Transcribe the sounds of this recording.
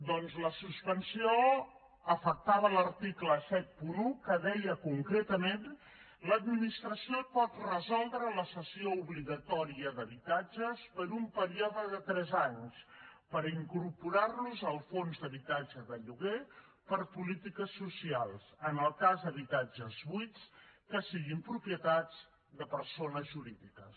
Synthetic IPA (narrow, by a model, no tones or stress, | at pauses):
d̪ɔnzləsuspənsio | əfək̚t̪aβələɾt̪ikləsɛt̪̚punukəðɛjəkuŋkɾet̪əmen | ləd̪minist̪ɾəsiopɔt̪rəzɔlˠd̪ɾələsəsiouβɾiɣət̪ɔɾiəðəβit̪ad͡ʒəspəɾumpəɾiɔðəðət̪ɾɛzaɲspəɾiŋkuɾpuɾarnuzəlˠfonzd̪əβit̪ad͡ʒəðəʎuɣe | pəɾpulit̪ikəsːusialˠsənəlˠkazðəβit̪ad͡ʒəzβujt͡skəsiɣimpɾupiət̪ad͡z | d̪əpəɾsonəzʒuɾiðikəs